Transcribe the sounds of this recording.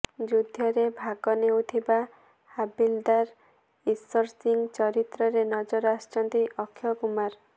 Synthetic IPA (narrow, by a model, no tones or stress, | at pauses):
d͡ʒud̪ʱjɔɾebʱaɡɔnewt̪ʰiba | habild̪aɾ | isɔɾsiŋɡt͡ʃɔɾit̪ɾɔɾenɔd͡ʒɔɾast͡ʃɔnt̪iʔɔkʰːjɔkumaɾ